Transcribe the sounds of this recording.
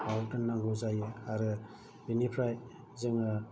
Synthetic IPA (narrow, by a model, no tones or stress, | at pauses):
awltɯnːaŋɡɔzajɯaɾɯ | binipʰɾaj | zɯŋɯ